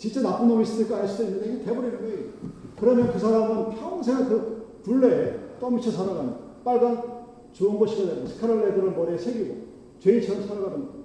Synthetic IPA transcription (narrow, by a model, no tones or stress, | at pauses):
t͡ɕint͡ɕ͈enap͈unomisʰɯtʰɯɭk͈eaɭs͈udoinːɯndeɡitebʌɾiɾɡikɯɾʌmjʌnkɯsʰaɾamɯnpʰjʌŋsʰeŋakɯtuɭːet͈ʌmit͡ɕʰisʰaɾaɡanda | p͈aɭban | t͡ɕoɯnɡʌɕʰiɡadensʰɯ̥kʰaɾʌɭːedɯɾɯɭmʌɾesʰeɡiɡo̰ | t͡ɕwe̞iɭt͡ɕʰʌɾʌmsʰaɾaɡaɾanda